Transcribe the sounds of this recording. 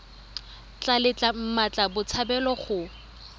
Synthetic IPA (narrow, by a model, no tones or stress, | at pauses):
t͡ɬalɪt͡ɬʼam̩mat͡ɬʼabʊt͡sʰabɛlɔχʊ